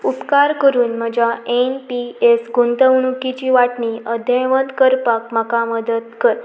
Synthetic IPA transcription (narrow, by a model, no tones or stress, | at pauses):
upkaɾkəɾuːnməd͡ʒaenpiesɡunt̪əʋɳ̃ukit͡ʃiʋaʈniəd̪ʱjəjʋənd̪kəɾpak̚makaməd̪əd̪kəɾ